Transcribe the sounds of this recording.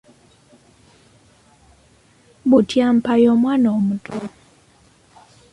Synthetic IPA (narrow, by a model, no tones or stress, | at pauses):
butʰjam̩pajɔmwanɔmutʰʼɔ